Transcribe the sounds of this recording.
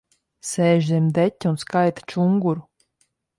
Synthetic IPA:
sɛːʒɛmd̪ɛtʲːunskajt̪t͡ʃuŋɡuɾ

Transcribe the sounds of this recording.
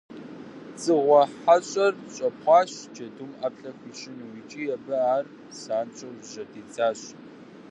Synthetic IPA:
t͡sʼɨʁʷɔħaɕʼɐrɕʼɐpχʷɑːɕd͡ʒɐdumapɬɐxʷiːʃɪnwiːt͡ʃʼiːjɛbɐaːr | saːnt͡ʃʼɐʒɐdiːt͡sʼaːɕ

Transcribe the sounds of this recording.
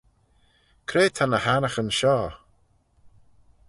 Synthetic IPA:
kʰɾeːt̪ʰanəhanəxənʃɔː

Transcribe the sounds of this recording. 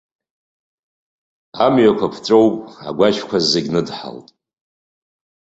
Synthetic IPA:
amɥakʷʰapʰt͡sʷʼowpʼa̰ɡʷaʃkʷʰazeɡʲnɨdħa̰ltʼ

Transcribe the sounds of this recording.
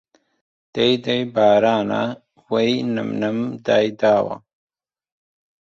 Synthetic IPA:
d̪̥ejd̪ɐjbaːɾaːna̰ | wejnɐ̰mnɐmd̪aːjd̪aːwa̰

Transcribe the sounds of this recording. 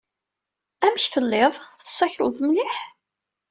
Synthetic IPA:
æməçθəlːɪðˤθə̥sːæçəlðˤmlɪħ

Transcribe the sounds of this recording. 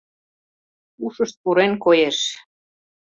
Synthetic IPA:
uʃə̆ʃt̪̚puɾenkojeʃ

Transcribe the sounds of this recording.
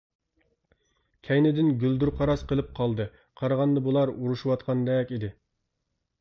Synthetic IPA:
kʲʰɛjnɪd̪ɪnɡʲyld̪uɾqʰɑɾɑsqəlˠɨp̚qʰɑlˠd̪ɨ | qʰɑɾɑʁɑnd̪ɑbulˠɑɾuɾuʃuwɑt̪̚qʰɑnd̪ɛkʲid̪ɪ

